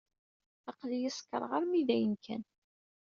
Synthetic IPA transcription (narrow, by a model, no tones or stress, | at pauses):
ɑqlijɪskːə̰ɾˤʁəɾmiðæjənkʰæ̰n